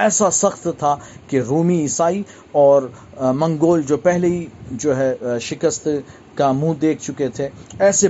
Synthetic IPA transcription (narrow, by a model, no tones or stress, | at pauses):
ɛːsasɐxt̪t̪ʰakeɾuːmiɪsaːi | ɔːɾ | mɐ̃ŋɡoːld͡ʒoːpɛɦleɦid͡ʒoːɦɛːʃɪkəst̪ | kamũd̪eːkʰt͡ʃʊket̪ʰeɛːse